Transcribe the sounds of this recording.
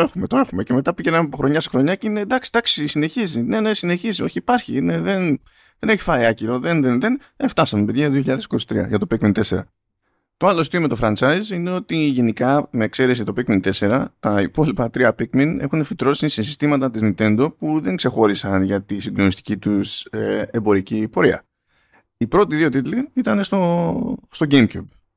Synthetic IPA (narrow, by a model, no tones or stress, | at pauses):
oe̞xume̞t̪oe̞xume̞ce̞me̞t̪ɐpiʝenɐmepo̞xɾo̞ɲɐsexɾo̞ɲɐcine̞d̪ɐksi̥d̪ɐksisine̞çizine̞ne̞sine̞çizio̞çiːpɐɾçḭne̞ðe̞n | ðe̞ne̞çi̥fɐiɐciɾo̞ðe̞nðenðe̞n | e̞ft̪ɐsɐmepeðʝɐðioçiʎɐðesiko̞si̥t̪ɾiɐ̰ʝɐt̪o̞pikmint̪e̞se̞ɾɐ̰ | t̪o̞ɐlost̪iomet̪o̞fɾɐnt͡sɐizine̞o̞t̪iʝe̞nikɐme̞ːkse̞ɾe̞siʝɐt̪o̞pikmint̪e̞se̞ɾɐt̪ɐipo̞lipɐt̪ɾiɐpikmine̞̰xunefit̪ɾo̞sisisist̪imɐt̪ɐt̪iznint̪e̞nd̪o̞puðe̞ŋkse̞xo̞ɾisɐnʝɐt̪isind̪o̞nist̪i̥cit̪useembo̞ɾicipo̞ɾiɐ̰ | ipɾo̞t̪iðio̞t̪it̪liit̪ɐne̞st̪ost̪oɟemcub